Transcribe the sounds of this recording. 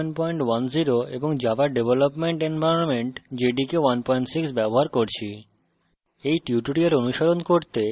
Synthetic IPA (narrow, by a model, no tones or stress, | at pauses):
npɔjɳʈwanziɾoḛboŋd͡ʑabaɖebʱelopmeɳʈenbʱajonmeɳʈd͡ʑeɖikewanpɔiɳʈsiksbɛboɦaɾkoɾt͡ɕʰi | ejʈiuʈuɽiaɾonuʃaɾonkoɾt̪e